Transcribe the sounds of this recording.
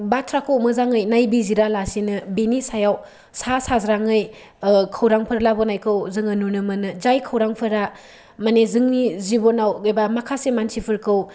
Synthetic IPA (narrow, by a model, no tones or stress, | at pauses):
batʰɾakʰowmɯzaŋɯjnajbiziɾalasinɯbenisajaw | sasazɾaŋɯj | kʰawɾaŋpʰɯɾlabɔnajkʰɯwzɯŋɐnunɯmɯnɯd͡ʒajkʰawɾaŋpʰɯɾa | manezɯŋnizibɔnawɡɯjbamakʰasemansipʰɯɾkʰɯw